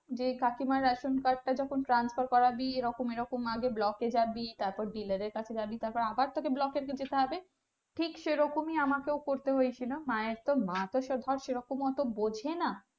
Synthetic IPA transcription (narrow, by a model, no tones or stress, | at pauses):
d͡ʑekakimaɾaʃonkaɾɖ̚ʈad͡ʑɔkʰonʈɾansfaɾkɔɾabieɾɔkomeɾɔkomaɡeblɔked͡ʑabit̪aɾpɔɾɖilaɾeɾkat͡ɕʰed͡ʑabit̪aɾpɔɾeabaɾt̪ʰokeblɔkeɾked͡ʑet̪eɦɔbe | ʈʰikʃeɾɔkomiamakewkoɾt̪eɦojt͡ɕʰilomaeɾt̪omat̪oʃed̪ʱɔɾʃeɾɔkomɔt̪obod͡ʑʱena